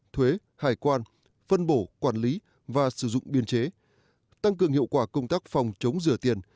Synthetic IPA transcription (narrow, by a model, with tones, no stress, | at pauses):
t̪ʰwe˨˦ | haː˨˩jkwaː˧n | fə˧nɓo˧˩kwaː˧˩nli˨˦ | vaː˨˩sɨ˧˩zʊ̰˧˨ŋ͡mɓi˧ənt͡ɕe˨˦ | t̪a˧ŋkɨ˨˩əŋhḭ˧˨əwkwaː˧˩kə˧wŋ͡mt̪aː˦˥k̚fa˨˩wŋ͡mt͡ɕə˨˦wŋ͡mzɨ˧˩ət̪i˨˩ən